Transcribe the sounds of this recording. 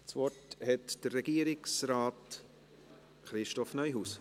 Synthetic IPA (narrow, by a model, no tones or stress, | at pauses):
t͡svɔthɛtd̥ərːɛɡiːəɾɪksɾaːt | χɾɪʃtɔfnœʏjɦuːs